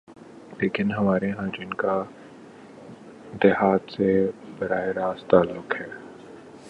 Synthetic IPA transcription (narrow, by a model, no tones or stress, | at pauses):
leːkɪnɦɐmaːɾeɦãːd͡ʒɪnka | d̪ɛɦaːt̪sebɐɾaːeɾaːst̪aːlːʊkhɛː